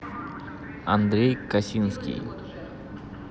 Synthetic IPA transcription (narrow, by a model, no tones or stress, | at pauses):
ɐnd̪ɾeːkɐsinskḭ